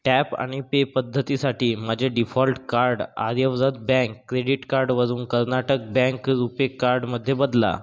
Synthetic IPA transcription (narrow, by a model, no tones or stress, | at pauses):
ʈæpa̰ɽ̃ipepəd̪ʱːət̪isaʈiːmad͡ʑʱaɖifɔlʈkaɾɖa̰d̪jəʋd͡zəd̪̚bɛ̃ŋkːɾeɽiʈkaɾɖʋəd͡zuːnkəɾnaʈək̚bɛ̃ŋkɾupekːaɾɖməd̪ʱːjebəd̪la̰